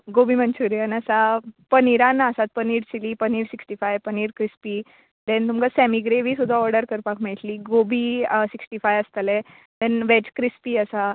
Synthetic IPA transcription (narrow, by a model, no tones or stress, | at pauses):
ɡobʱiːmənt͡ɕuɾjanəsapəniɾãnasat̪̚pəniːɾt͡ɕiliːpəniːɾsiksʈifajpəniːɾkɾispiː | d̪ɛ̃nt̪umkasɛmiɡɾeʋiːsud̪ʱːaɔɾɖəɾkəɾpakmiɭt̪liːɡobʱiːsiksʈifajəst̪əlɛ | d̪ɛnʋed͡ʑkɾispiːəsa